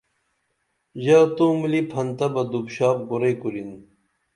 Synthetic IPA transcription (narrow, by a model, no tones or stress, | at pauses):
ʑaːt̪oːmilipʰɐnt̪ɐbɐd̪ubɕaːp̚ɡuɾɐjkuɾin